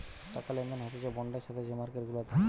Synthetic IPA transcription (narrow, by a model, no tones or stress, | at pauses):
ʈakalɛnɡ̪anɦat̪ed͡ʑɔbɔɳɖaʃat̪ʰed͡ʑemaɾkeɾɡulat̪a